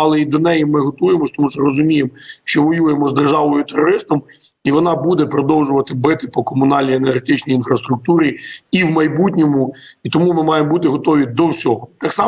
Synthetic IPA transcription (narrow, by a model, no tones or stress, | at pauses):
ɐlˠɛid̪ɔnɛjimɪɦɔt̪ujemɔsʲt̪ɔmuʃɔrɔzʊmʲijemʃt͡ʃɔʋɔjujemɔzd̪erʒɑʋɔjʊt̪erɔɾɪst̪ɐm | iʋɔnɑbud̪ɛpɾɔd̪ɔwʒʊʋɐt̪ɪbɪt̪ɪpɔkɔmʊnɑlʲnʲijenerɦet̪ɪt͡ʃnʲijinfɾɐst̪ɾʊk̚t̪uɾʲiiwmɐjbutʲnʲɔmʊit̪ɔmumɪmɑjembut̪ɪɦɔt̪ɔʋʲid̪ɔwsʲɔɦɔt̪ɑksɑ